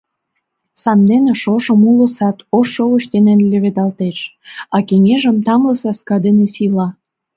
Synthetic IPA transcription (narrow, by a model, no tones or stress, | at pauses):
sɑnd̪eneʃoʒə̆mulə̆sɑt̪oʃːouʃt̪enenlʲĕβed̪ɑlt̪eʃ | ɑkeŋʲeʒəmt̪ɑmləsɑskɑd̪enesilɑ